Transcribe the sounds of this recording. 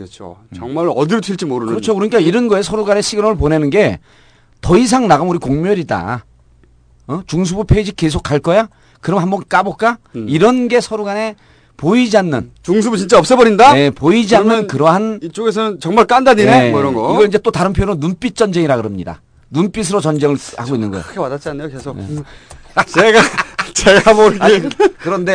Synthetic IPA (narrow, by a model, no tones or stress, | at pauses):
t͡ɕʰo̰t͡ɕʌŋmaɾʌdiɾtʰiɭt͡ɕ͈imoɾɯnɯɾʌt͡ɕʰokɯɾʌɲik͈aiɾɯnɡʌe̞s̬ʰʌɾuɡane̞ɕʰiɡɯmɯɭp̬one̞nɯnɡe̞ | tʌis̬ʰaŋnaɡɯmuɾikoŋmjʌɾida̰ | t͡ɕuŋs̬ʰubupʰeid͡ʑikes̬ʰok͈aɭk͈ʌja | kɯɾʌmhambʌnk͈abok͈aiɾʌnɡe̞sʰʌɾuɡane̞ | poid͡ʑianːɯnt͡ɕuŋs̬ʰubut͡ɕint͡ɕ͈aʌp̚s͈ʌbʌɾindaje̞poid͡ʑianːɯnkɯɾʌɦanit͡ɕ͈oɡes̬ʰʌnɯnt͡ɕʌŋmaɭk͈andaɲineɾʌnɡʌiɡʌinɲd͡ʑe̞t͈otaɾɯnpʰjoɾonːunp͈it̚t͡ɕ͈ʌnd͡ʑeŋiɾaɡɯɾɯmɲida̰ | nunp͈is̬ʰɯɾot͡ɕʌnd͡ʑe̞ŋɯɭha̰ɡoinːɯnɡʌj̰ʰɯkʰepadat̚t͡ɕ͈ianːejokesʰoje | t͡ɕeɡat͡ɕeɡaboɾkekɯɾʌnde̞